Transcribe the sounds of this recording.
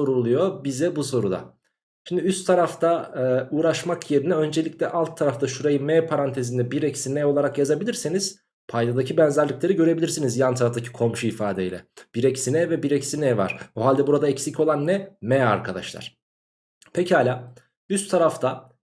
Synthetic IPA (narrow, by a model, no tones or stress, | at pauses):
o̞ɾulˠujo̞bizɛbuso̞ɾud̪a̰ | ʃimd̪iyst̪ʰːaɾaft̪ʰauːɾaʃmakʰje̞ɾinɛø̞nd͡ʒeiclʲɛʔalˠt̪ʰːaɾaft̪aʃuɾajɯmɛːpʰaɾant̪ʰe̞zind̪ɛbiɾɛcsinɛolˠaɾakjazabilʲiɾsiniz̥ | pʰajd̪ad̪acʰibɛnzæɾlʲiclʲe̞ɾiɟøɾe̞bilʲiɾsinizjant̪ʰaɾaft̪ʰacʰi̥kʰo̞mʃuifaːd̪ɛjlʲɛ̰b̥iɾɛcsinɛvɛbiɾɛcsinɛːva̰ɾ̥oɦalʲd̪ɛbuɾad̪aɛcsico̞lˠanːɛmɛa̰ɾkʰad̪a̰ʃlˠa̰ɾ̥ | pʰecʰihalʲaː | yst̪ʰːaɾaft̪a